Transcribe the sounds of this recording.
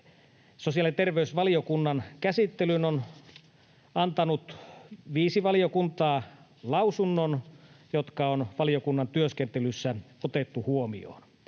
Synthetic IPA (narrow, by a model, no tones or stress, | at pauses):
sosiɑlint̪erʋeysʋɑliokunːɑnkæsit̪ːelynon | ɑnt̪ɑnut̪ʋiːsiʋɑliokunt̪ɑː | lɑwsunːonjot̪kɑonʋɑliokunːɑnt̪yøskent̪elysːæot̪et̪ːuhuomḭo̰ːn